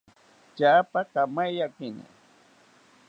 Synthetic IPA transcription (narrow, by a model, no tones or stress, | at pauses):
t͡ʃapakamajjakɪna̰